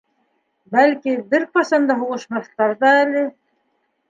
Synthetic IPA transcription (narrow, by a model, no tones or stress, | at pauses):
bælkibɘɾqɑsɑnd̪ɑɦuʁɤ̆ʃmɑθt̪ɑɾðɑælɘ